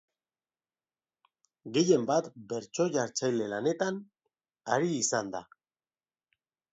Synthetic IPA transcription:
ɡe̞je̞mbat̪be̞ɾt͡so̞ʝaɾt͡sajle̞lane̞t̪an | aɾiːsand̪a̰

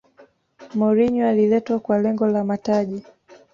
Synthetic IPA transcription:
mɔɾiɲwalilɛtwakwalɛŋɡɔlamataʄi

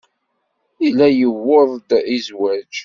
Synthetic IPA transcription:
ilæjəwːoðˤd̪izwæd͡ʒ

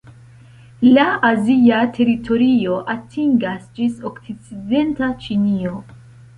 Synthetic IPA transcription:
laaziatʰe̞ɾitʰo̞ɾio̞ʔatʰiŋɡasd͡ʒisoksit͡side̞ntat͡ʃinio̞

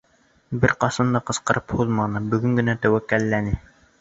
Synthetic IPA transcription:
bɪɾqɑsɑnd̪ɑqɤ̆sqɤ̆ɾʔɯphulˠmɑnɤbyɡʲyŋɡʲɪnɛt̪æwækʲːælːænɪ

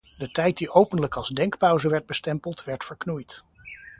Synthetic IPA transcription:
dətɛjt̚diʔowpəndləkɑlˠzdɛŋkpœwzəʋɛɹd̚bəstɛmpəlˠtʋɛɹtfəɹknujt

